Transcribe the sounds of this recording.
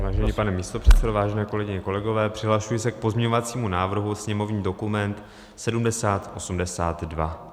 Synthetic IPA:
vaːʒɛɲiːpanɛmist̪o̞pr̥ɛt̪sɛdovaːʒɛnɛːko̞lɛɡɪɲɛko̞lɛɡo̞vɛːpr̥ɪɦlaʃujɪsɛk̚po̞zmɲɛɲo̞vat͡siːmunaːvr̩ɦusɲɛmo̞vɲiːdo̞kumɛnt̪ | sɛdumdɛsaːt̪ʔo̞sumdɛsaːt̪dva̰

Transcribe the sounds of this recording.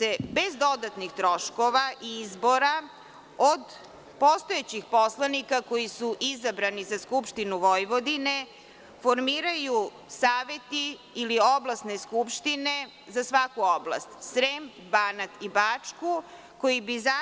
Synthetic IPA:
sebe̞zd̪o̞d̪at̪nixt̪ɾo̞ʃko̞ʋaʔiizbo̞ɾa | od̪ | po̞st̪oet͡ɕixpo̞slˠanikako̞jisuʔizabɾanizaskupʃt̪inuʋo̞jʋo̞d̪ine̞ | fo̞ɾmiːɾaju | saːʋe̞t̪iː | lio̞blˠasne̞skupʃt̪ine̞ | zasʋakuoblˠa̰st̪sɾem | banat̪ibat͡ʂku | ko̞jibiza

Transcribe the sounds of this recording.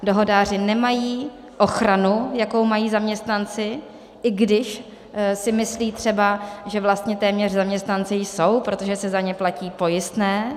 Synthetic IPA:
do̞ɦo̞daːr̝ɪnɛmajiː | ʔo̞xɾanujako̞wmajiːzamɲɛst̪nant͡sɪ | ʔɪɡdɪʃ | sɪmɪsliːt̪r̥ɛbaʒɛvlast̪ɲɛt̪ɛːmɲɛrzamɲɛst̪nant͡sɪjso̞wpɾo̞t̪o̞ʒɛsɛzaɲɛplaciːpo̞jɪst̪nɛː

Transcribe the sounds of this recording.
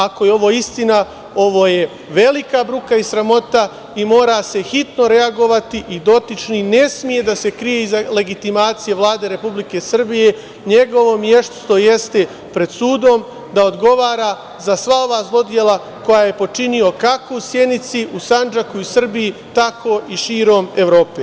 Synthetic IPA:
ako̞jeo̞ʋo̞ːist̪ina | o̞ʋo̞ːje̞ | ʋe̞likabɾukaisɾamo̞t̪a | imo̞ːɾase̞hit̪no̞ɾe̞aɡo̞ʋat̪iʔid̪o̞t̪it͡ʃnine̞smije̞d̪ase̞kɾijeizale̞ɡit̪imaːt̪sije̞ʋlˠaːd̪e̞ɾe̞publike̞sr̩bije̞ | ɲe̞ɡo̞ʋo̞mje̞ʃt̪st̪o̞je̞st̪e | pɾe̞d̪suːd̪o̞m | d̪ao̞d̪ɡo̞ʋaːɾa | zasʋao̞ʋaːzlˠo̞d̪je̞lˠa | ko̞jaje̞po̞t͡ʃinio̞kako̞usjenit̪siʔusand͡ʒakuisr̩bijit̪ako̞ʔiʃiːɾo̞ːme̞ʋɾo̞ːpe

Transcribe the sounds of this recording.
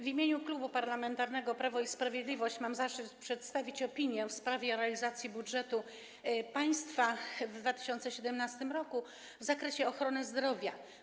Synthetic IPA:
vʲimʲjeɲuklubupaɾlamɛnt̪aɾnɛɡɔpɾavɔispɾavʲjed̪lʲivɔɕt͡ɕmamzaʂɘt̪pʂɛt̪st̪avʲit͡ɕɔpʲiɲjɛfspɾavʲɛɾɛalʲizat̪sʲjibudʐɛt̪u | paj̃st̪favd̪vat̪ɘ̥ɕɔnt̪sɛɕɛd̪ɛmnast̪ɘmɾɔku | vzakɾɛɕɛɔxɾɔnɘzd̪ɾɔvʲja

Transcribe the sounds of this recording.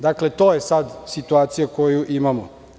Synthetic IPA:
d̪aklet̪oːjesad̪sit̪uaːt̪sijakojuʔimamo̰

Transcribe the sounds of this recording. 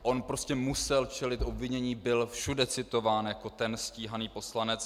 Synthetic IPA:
ʔo̞npɾo̞scɛmusɛlt͡ʃɛlɪt̪ʔo̞bvɪɲɛɲiːbɪlfʃudɛt͡sɪt̪o̞vaːnjako̞t̪ɛnsciːɦaniːpo̞slanɛt͡s

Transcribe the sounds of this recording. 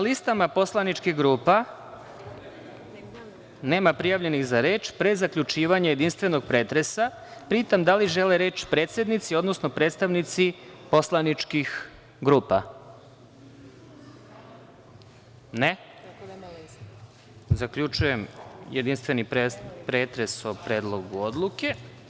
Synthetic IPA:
nalist̪amapo̞slˠanit͡ʃkixɡɾuːpa | ne̞ːmapɾijaʋʎe̞nixzaɾe̞ːt͡ʃpɾe̞zakʎut͡ʃiːʋaɲaje̞d̪inst̪ʋeno̞ɡ̚pɾeːt̪ɾe̞sa | pɾiːt̪amd̪aliʒe̞leɾe̞ːt͡ʃpɾeːt̪se̞d̪nit̪sio̞d̪nosno̞pɾe̞ːt̪st̪aʋnit̪sipo̞slˠanit͡ʃkix | ɡɾuːpa | ne | zakʎut͡ʃujemjed̪inst̪vʋe̞nipepɾe̞ːt̪ɾe̞sopɾe̞ːd̪lˠo̞ɡuod̪lˠuke̞

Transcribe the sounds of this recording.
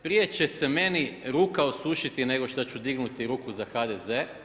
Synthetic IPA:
pɾije̞t͡ɕe̞se̞me̞niɾuːkaosuʃit̪ine̞ɡo̞ʃt̪at͡ɕud̪iɡnut̪iɾuːkuzaxad̪eze̞

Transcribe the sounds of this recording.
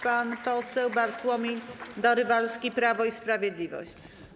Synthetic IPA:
panpɔsɛwbaɾt̪wɔmʲid̪ɔɾɘvalskʲipɾavɔispɾavʲjɛd̪lʲivɔ̰ɕt͡ɕ

